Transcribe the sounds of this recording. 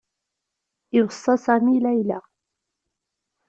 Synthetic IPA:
ʔɪwsˤɑsamiːlajla

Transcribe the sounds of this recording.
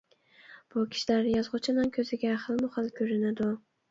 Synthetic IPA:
b̥ʊkʲʰɪ̥ʃilaɾjɒzʁʊt͡ʃʰɪnɪŋkʲʰɵzɪɡʲaχɨlˠmʊχɨlˠkʲʰɵɾɪnad̪ʊ

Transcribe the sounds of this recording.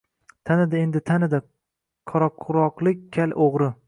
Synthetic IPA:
t̪ʰanɪd̪aend̪ɪt̪ʰanɪd̪a | qʰɒɾɒqʰʊɾɒqlˠɪk̚ʲkʲʰalʔoʁɾɪ

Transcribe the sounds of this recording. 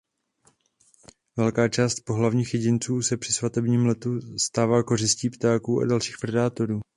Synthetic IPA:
vɛlkaːt͡ʃaːst̪̚po̞ɦlavɲiːxjɛɟɪnt͡suːsɛpr̥ɪsvat̪ɛbɲiːmlɛt̪ust̪aːvaːko̞rɪsciːpt̪aːkuːʔa̰dalʃi̥ːxpɾɛdaːt̪o̞ɾuː

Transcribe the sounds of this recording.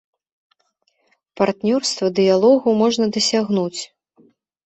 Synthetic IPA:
part̪nʲɔrst̪vɐd̪ɨjalˠɔɣumɔʐnɐd̪ɐsʲaɣnut͡sʲ

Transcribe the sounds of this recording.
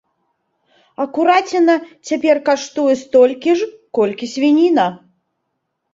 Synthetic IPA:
ɐkuɾat͡sʲɛnɐt͡sʲapʲɛrkaʂt̪ujɛst̪ɔlʲkʲiʐkɔlʲkʲisʲvʲinʲinɐ

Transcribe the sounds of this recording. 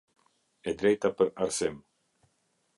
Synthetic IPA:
ɛd̪ɾɛjt̪apəɾaɾsɛm

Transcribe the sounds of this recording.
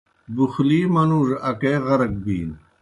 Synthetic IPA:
buxliːmɐnuːʐɐkeːɣɐɾɐɡ̚bḭːn

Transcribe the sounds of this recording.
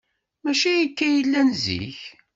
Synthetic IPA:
mæʃijikːæjəlːænzḭç

